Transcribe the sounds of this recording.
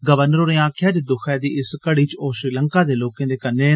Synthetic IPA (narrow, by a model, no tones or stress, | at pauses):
ɡəʋənəɾoɾẽːãːkʰjaːd͡ʒd̪ʊkʰɛːd̪iːʔɪskəɽiːt͡ʃoːʃɾiːləŋkaːd̪eːloːkẽːd̪eːkənːeː